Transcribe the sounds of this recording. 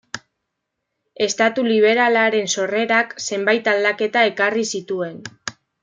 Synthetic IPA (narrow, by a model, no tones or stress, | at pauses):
e̞st̪at̪uliβ̞e̞ɾalaɾe̞nso̞re̞ɾakse̞mbajt̪ald̪ake̞t̪ae̞karisit̪ue̞n